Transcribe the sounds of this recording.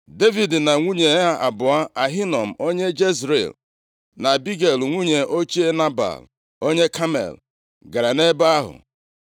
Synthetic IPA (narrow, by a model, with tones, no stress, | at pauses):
de˦vi˨dna˨ŋʷu˦ɲe˨˦a˦ʔa̰˨bʊ˨a˦a˨ɦi˦nɔ˨m̩˨o˦ɲe˦d͡ʒe˦zɾḛ˨l | na˨bi˦ɡe˨lŋʷu˦ɲe˨ʔo˦t͡ʃi˦e˦na˦ba̰˨l | o˦ɲe˦ka˦mḛ˨l | ɡa˨ɾa˨ne˦ba˦a˦ɦʊ̰˨